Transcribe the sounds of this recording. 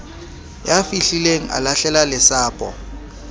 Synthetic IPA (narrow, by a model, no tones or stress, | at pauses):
jafiɬileŋ̩ʔa̰laɬɛlalɪsaːpʼɔ̰